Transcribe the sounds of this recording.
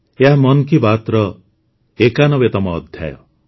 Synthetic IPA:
eɦamɔnkibat̪ɾɔ | ekanɔbet̪ɔmɔːd̪ʱja̰jɔ̰

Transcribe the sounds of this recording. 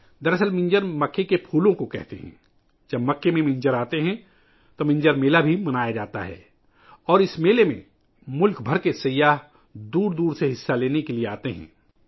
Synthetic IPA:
d̪ɐɾəsəlmɪ̃ɲd͡ʒəɾmɐkːekepʰuːlõkokɛ̰ɦt̪ḛɦɛ̰̃ː | d͡ʒɐbmɐkːemẽmɪ̃ɲd͡ʒəɾaːt̪eɦɛ̃ | t̪omɪ̃ɲd͡ʒəɾmeːlabʱimɐnaːjad͡ʒaːt̪a̰ɦɛ̰ː | ɔːɾɪsmeːlemḛ̃ | mʊlkʰbʱɐɾkesɐjaːɦ | d̪uːɾd̪uːɾseɦɪsːaleːnekelieaːt̪eɦɛ̰̃ː

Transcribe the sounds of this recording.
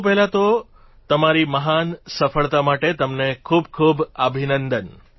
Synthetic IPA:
p̬ɛɦlat̪o | t̪əmaɾiməɦansəfəɭt̪amaʈet̪əmnekʰubkʰubəbʱinənd̪ən

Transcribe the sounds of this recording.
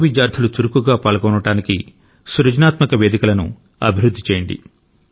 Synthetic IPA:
ʋid͡ʒaːɾt̪ʰɐlut̪uɾukuɡaːpaːɭɡɔːnɐʈaːniki | suɾɐd͡ʒnaːt̪mɐkɐʋeːd̪ikɐlɐnṵ | ɐ̰bʱiɾud̪ʱːit͡ʃeːjɐɳɖḭ

